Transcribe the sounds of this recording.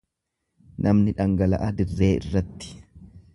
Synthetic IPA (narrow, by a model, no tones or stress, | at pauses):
nʔɐmnɪᶑɐŋɡɐlɐ̰ʔɐd̪ɪrːe̞ːɪ̰rːɐt̪ːɪ̥